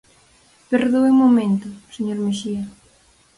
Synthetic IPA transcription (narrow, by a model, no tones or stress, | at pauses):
peɾðoemomẽnt̪ʊseɲoɾmeʃiɐ